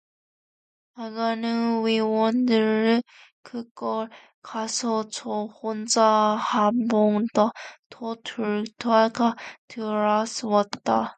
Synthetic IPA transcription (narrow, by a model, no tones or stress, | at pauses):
aɡanɯnwiwʌndɯɾɯ | kɯkʌɭ | kasʰʌt͡ɕɔhond͡ʑahamboŋdatʰɔtʰuɭtʰaɡatʰɯɾasɯwʌtt͈a